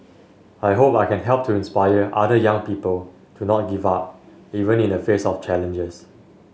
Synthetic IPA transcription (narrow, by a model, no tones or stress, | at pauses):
ajɦopaɪkɛ̃nɦɛlp̚tʰuĩnspajəʔa̰dəjãŋpipəl | tʰunɔt̚ɡivap̚ | ivə̃nĩnəfesɔft͡ʃɛlə̃nd͡ʒəs